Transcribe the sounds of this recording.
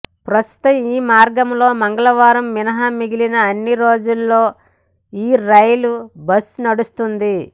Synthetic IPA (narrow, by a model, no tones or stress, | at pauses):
pɾɐst̪u̥t̪ɐmiːmaːɾɡɐmlo̞ːmɐŋɡɐɭɐʋaːɾɐmːinɐɦɐmiɡilinɐːnːiɾo̞ːd͡ʒulːo̞ː | iːɾɐjlubɐsnɐɽust̪und̪i